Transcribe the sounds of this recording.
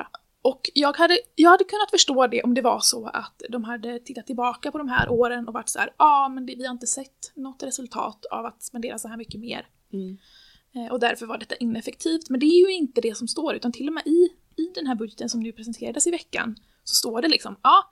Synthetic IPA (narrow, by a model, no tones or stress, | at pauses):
ʔɔkjɑːɡhad̪ːəjɑːɡhad̪ːəkʰɵnːat̪fœʂʈoːd̪ɛʔɔmd̪ɛva̰ʂɔa̰t̪d̪ɔmɦad̪ːət̪ʰɪt̪ːat̪ːɪlbɑːkapʰɔd̪ɔmɦæ̰ːɾʔoːɾənɔva̰ʈːsæ̰ːɾɑːmɛnd̪ɛvɪhaɾɪnt̪əsɛt̪ːnɔt̪ːɾɛsɵlt̪ʰɑ̰ːt̪a̰vat̪spɛnd̪eːɾasɔɦæːɾmʏkːəmḛːɾ | ʔɔd̪æɾfœɾvaɖɛt̪ːaʔɪnːɛfɛk̚t̪ʰiːft̪mɛnd̪ɛæɾjɵɪnt̪əd̪ɛsɔmst̪oːɾʉ̟ːt̪ant̪ʰɪlːɔmɛːʔɪː | d̪ɛnɦæːɾbɵd̪jət̪ənsɔmnʉ̟ːpʰɾɛsɛnt̪ʰeːɾad̪əsɪvɛkːa̰n | sɔst̪oːɖɛlɪksɔmɑː